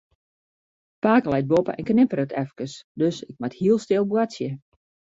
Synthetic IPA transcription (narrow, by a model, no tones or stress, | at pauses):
paːkəlɛjt̚bopə̰ʔɛ̰nknɪpəɾətʰɛfkəsdøsɪk̚mathiəlˠstɪlˠbwatsjə